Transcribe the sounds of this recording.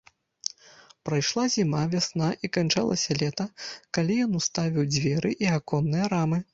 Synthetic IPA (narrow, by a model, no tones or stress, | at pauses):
pɾajʂlˠazʲimavʲasn̪aʔikant͡ʂa̰lˠɐ̰sʲɐlʲɛt̪ɐkalʲijɔnust̪avʲiwd͡zʲvʲɛɾɨʔiakɔnːɨjɐɾamɨ